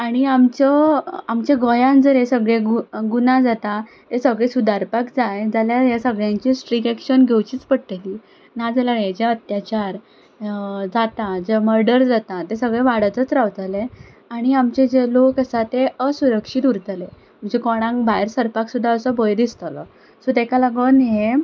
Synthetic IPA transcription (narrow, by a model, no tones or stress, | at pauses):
aɽ̃iamt͡ɕəamt͡ɕeɡʱɔjãnd͡zəɾjesəɡɭeɡuɡunad͡zat̪a | t̪esəɡɭesud̪aɾpakd͡zajd͡zaljajasəɡɭjãɲt͡ɕiːsʈɾikɛkʂənɡʱewt͡ɕiːt͡spəɽʈ̪eliː | nad͡zaljaɭjad͡ʑaət̪jat͡ɕaɾ | d͡zat̪ad͡zəməɾɖəɾd͡zat̪at̪esəɡɭeʋaɽət͡s̪ət͡sɾaʋt̪ale | aɽ̃iamt͡ɕed͡zelokasat̪eəsuɾəkʂit̪uɾt̪ale | m̤əd͡ʑekɔɽ̃ãŋkbajɾsəɾpaksud̪ʱːaəsəbəjd̪ist̪alɔ̰ | sot̪ɛkalaɡənɦe